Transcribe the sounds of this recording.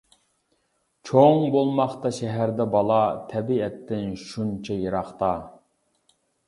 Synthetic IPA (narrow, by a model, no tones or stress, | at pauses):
t͡ʃʰoŋbolˠmɑχt̪ɑʃɛɦæɾd̪ɛbɑlˠɑt̪ʰɛbiɛt̪ʰːɪnʃunt͡ʃʰɛjeɾɑχt̪ɑ